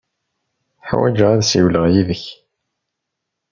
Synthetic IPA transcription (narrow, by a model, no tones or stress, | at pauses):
ħwæ̰d͡ʒəʁæðsiwləʁjiðəç